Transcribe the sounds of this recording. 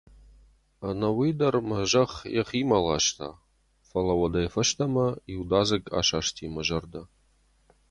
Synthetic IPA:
anɐwidɐrmɐʒɐχjɛ̰χiːmalaʃtʰa̰ː | fɐlɐwɐdɐjfɐʃt̪ʰɐmɐiwdaːzɨkʼa̰ːʃaːʃtʰimɐʒɐrd̪ɐ

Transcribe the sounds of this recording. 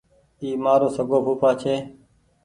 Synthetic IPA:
iːmaːɾoːsəɡoːpuːpʰaːt͡ʃʰeː

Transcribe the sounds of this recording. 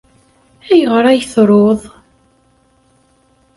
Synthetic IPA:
æjəʁɾˤæjθɾˤoðˤ

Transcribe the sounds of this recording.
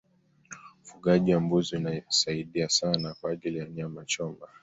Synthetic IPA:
fuɠaʄiambuziinasaiɗiasanakwaːʄilijaɲamat͡ʃɔmba

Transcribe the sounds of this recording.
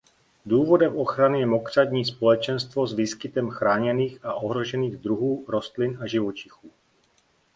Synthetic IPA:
duːvo̞dɛmʔo̞xɾanɪjɛmo̞kr̝̥adɲiːspo̞lɛt͡ʃɛnst̪vo̞zviːskɪt̪ɛmxɾaːɲɛniːxaʔo̞ɦɾo̞ʒɛniːɣd̪ɾuɦuːɾo̞st̪lɪnaʒɪvo̞t͡ʃɪxuː

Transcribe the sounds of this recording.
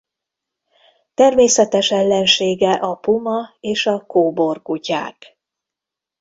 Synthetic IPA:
t̪ɛrmeːsɛt̪ɛʃɛlːɛnʃeːɡɛʔɒpumɒeːʃɒkoːbo̞rkuca̰ːk

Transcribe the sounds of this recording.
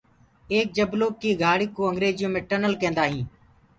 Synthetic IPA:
eːk̚d͡ʒəbloːkːiːɡʱaːɽiːkoːəŋɡɾeːzɪjõːmẽːʈənəlkẽːnd̪aːɦĩː

